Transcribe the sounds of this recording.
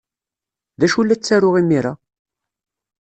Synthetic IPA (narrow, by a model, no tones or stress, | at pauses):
ðæʃulːæt͡sːæɾʊʁimiɾa